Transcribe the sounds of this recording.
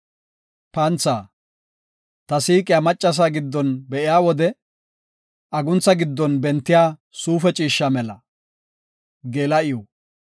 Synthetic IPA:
pɐnt͡sːaː | t̪ɐsiːkʼɪjamɐt͡ʃʼːɐs̬aːɡɪd̪ːɔnbɛʔɪjaːwɔd̪ɛ | ʔɐɡʊnt͡sːɐɡɪd̪ːɔnbɛnt̪ːɪjaː | suːfɛt͡ʃʼiːʃːamɛlɐ | ɡeːlɐʔɪjɔ

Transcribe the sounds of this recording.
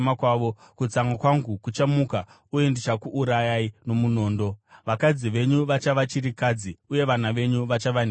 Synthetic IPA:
makwaːʋo̞ | kut͡saŋɡakwaŋɡukut͡ʃamuka | uje̞ndit͡ʃakuʔːɾajaino̞muno̞ːndo̞ʋakad͡ziʋe̞ɲuʋat͡ʃaʋat͡ʃiɾikad͡ziuje̞ʋan̤aʋe̞ɲuʋat͡ʃaʋan

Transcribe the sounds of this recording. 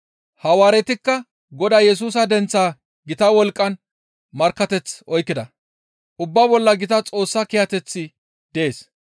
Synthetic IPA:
hɐwaːɾɛt̪ɪkːɐ | ɡɔd̪aːjɛs̬uːs̬ɐd̪ɛnt͡sːaː | ɡɪt̪ɐwɔlkʼːɐn | mɐɾkːɐt̪ɛt͡sɔjkːɪd̪ɐ | ʔʊbːabɔlːɐɡɪt̪ɐt͡sʼo̞ːsːɐkɪjɐt̪ɛt͡sːɪ | d̪̥ɛeːs

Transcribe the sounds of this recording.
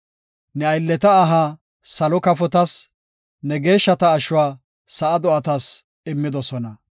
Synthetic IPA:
nɛɐjlːɛt̪ɐːɦaː | sɐlɔkɐfɔt̪ɐs | nɛɡe̞ːʃːɐt̪ɐːʃʊwaː | sɐʔɐd̪ɔɐt̪ɐs | ɪmːɪd̪ɔsɔnɐ

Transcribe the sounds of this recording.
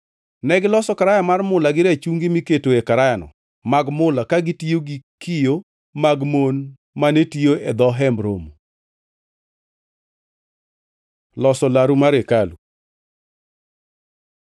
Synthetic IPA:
nɛɡɪlɔsɔkaɾajamarmʊlaɡɪɾɛt͡ʃuŋɡimiketoekaɾajanɔ̰ | maɡmʊlakaɡɪtioɡikijo | maɡmon | manetijoɛd̪ɔɦɛmɾo̰mo | lɔsɔlaɾumaɾekalṵ

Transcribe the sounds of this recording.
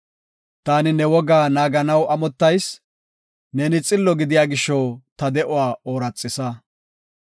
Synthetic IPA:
t̪aːnɪnɛwɔɡaːnaːɡɐnɐwʔɐmɔt̪ːɐjs | nɛnɪt͡sʼɪlːɔɡɪd̪ɪjaːɡɪʃːɔwt̪ɐd̪ɛʔʊwaːʔoːɾɐt͡sʼːɪsɐ

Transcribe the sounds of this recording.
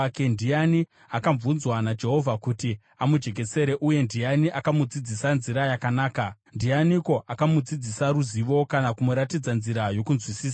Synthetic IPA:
kendijani | akaɱvunzwanad͡ʒe̞ɦo̞vʱakuti | amud͡ʒe̞k̬e̞se̞ɾe̞ʔuje̞ndijaniʔakamud͡zid͡zisanziɾajakanaːkandijaniko̞ʔakamud͡zid͡zisaɾuziʋo̞kanakumuɾatid͡zanziɾajo̞kunzwisiːsa

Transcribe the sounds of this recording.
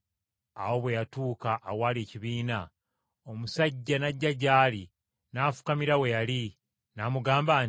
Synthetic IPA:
a̰wo̞βwe̞jatuːkaʔːwaːleciβiːna | o̞musaɟːanaɟːaɟaːli | naːfu̥kamiɾawe̞jali | namuɡaːmbaːn

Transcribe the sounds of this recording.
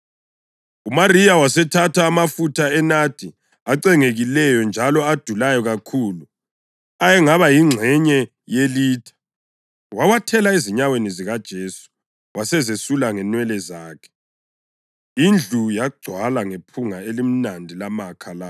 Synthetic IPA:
umariawasɛtʰatʰaːmafutʰaɛnad̥ʱi | aǀɛŋeɣilɛjɔnd͡ʒʱalɔad̥ʱulajɔɣakʰulu | ajɛŋaβajiŋ͡ǀʱɛɲɛ | jeliːdʰʱḁ | wawatʰɛlaeziɲaweniziɣad̥ʒ̥ʱeːsu̥ | wasɛzesulaŋɛnwɛlɛzaːkʰɛ̥ | ind͡ɮʱujaɡ͡ǀʱwalaŋepʰuŋaelim̩nandʱilamakʰala

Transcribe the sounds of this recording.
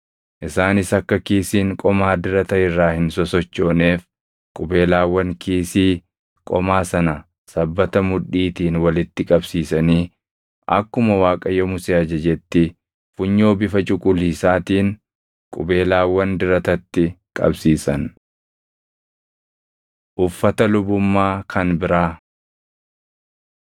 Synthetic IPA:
ʔɪsaːnɪsɐkːɐkiːsiːŋkʼɔmaːd̪ɪɾɐt̪ɐɪrːaːhɪnsɔsɔt͡ʃːo̞ːne̞ːf | kʼʊbe̞ːlaːwːɐŋkiːsiː | kʼɔ̰maːsɐnɐ | sɐbːɐt̪ɐmʊᶑiːt̪iːnwɐlɪt̪ːɪkʼɐbsiːsɐniː | ʔɐ̰kːʊmɐwaːkʼɐjɔmʊseːɐd͡ʒɐd͡ʒɛt̪ːɪ | fʊɲːo̞ːbɪfɐt͡ʃʼʊkʼʊliːsaːt̪iːn | kʼʊbe̞ːlaːwːɐnd̪ɪɾɐt̪ɐt̪ːɪkʼɐ̰bsiːsɐn | ʔʊfːɐt̪ɐlʊbʊmːaːkʰɐnbɪɾaː

